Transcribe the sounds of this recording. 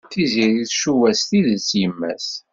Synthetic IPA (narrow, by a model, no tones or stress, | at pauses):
θiziɾiθʃuwæst̪iðəsjəmːæ̰s